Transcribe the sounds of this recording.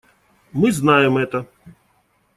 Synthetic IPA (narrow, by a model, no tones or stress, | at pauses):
mɨznajɛmɛt̪ɐ